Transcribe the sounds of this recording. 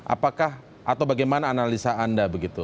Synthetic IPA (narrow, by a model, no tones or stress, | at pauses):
ʔa̰pakah | ʔat̪awbaɡajmanaːnalisaandabəɡit̪u